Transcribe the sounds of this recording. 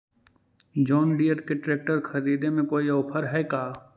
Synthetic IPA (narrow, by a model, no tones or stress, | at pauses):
d͡ʒɔːnɖijəʈkeʈɾeːk̚ʈəɾxʰɐɾiːd̪emẽkoːiɐːpʰəɾɦɛːkaː